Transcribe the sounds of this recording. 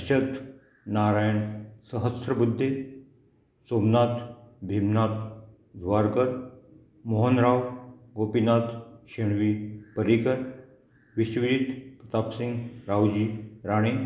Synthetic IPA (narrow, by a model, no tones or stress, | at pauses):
ɕət̪ | naɾajəɳsəɦəsɾəbud̪ʱːe | somnat̪bʱimnat̪ | d͡zʱʋaɾɡəɾ | moɦənɾawɡopinat̪ɕeɳʋiːpəɾikəɾ | ʋiɕʋiɾit̪pɾət̪apsiŋɡɾawd͡ʑiːɾaɽ̃e